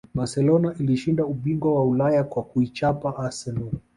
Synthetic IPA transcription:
basɛlɔnaʔiliʃindauɓiŋɡwawaulajakwakuit͡ʃapaʔasɛlɔ

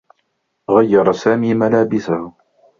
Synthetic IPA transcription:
ɣajːɑɾˤɑsaːmiːmalaːbɪsah

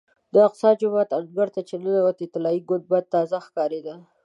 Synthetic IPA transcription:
d̪əɪqt̪sɑd͡ʒʊmɑt̪anɡaɾt̪at͡ʃenanawat̪ɪt̪ɪlɑiɡʊnd̪̚bad̪̚t̪ɑzaxkɑɾed̪a

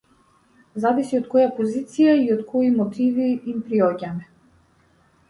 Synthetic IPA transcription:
zavisiɔt̪̚kɔjapɔzit̪sijaiɔt̪kʰɔimɔt̪ʰiviːmpɾiɔɟamɛ

